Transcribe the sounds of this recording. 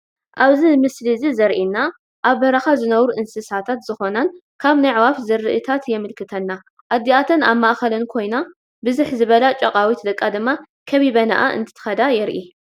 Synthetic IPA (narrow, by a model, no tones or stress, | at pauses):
ʔaβzimɨslizizɐɾʔinːa | ʔaβbɐɾɐxazɨnɐβɾuʔɨnsɨsat̪ʰat̪zɨxo̞nan | kʰaβnajʕwafzɨɾɨʔɨt̪ʰat̪jɛmɨlkʰɨt̪ʰɐnːa | ʔad̪ːiat̪ʰɐnaβmaʔxɐlɐnkʰo̞jna | bɨzɨħzɨβɐlat͡ʃʼɐqʼawit̪d̪ɐkʼːad̪ɨmːa | kʰɐβiβɐna̰ʔa̰ʔɨ̰nt̪ʰɨ̥t̪ʰxɐd̪ajɛɾʔi